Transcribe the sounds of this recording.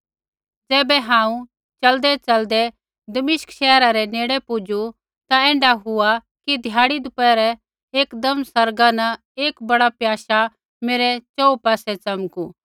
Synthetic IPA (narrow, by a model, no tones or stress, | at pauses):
d͡zɛːbɛɦãːũ | t͡ʃɐld̪ɛt͡ʃɐld̪ɛ | d̪ɐmɪʃə̥kʃɛːɾaɾɛneːɽɛpʊd͡ʒu | t̪aɛ̃ːɳɖaɦʊa | kid̪ʱjaːɽid̪ʊpɛɾɛ | eːkd̪ɐmsɐɾɡanɐ̃ | eːkbɐɽapjaːʃa | meːɾɛt͡ʃɔːupaːsɛt͡sɐmku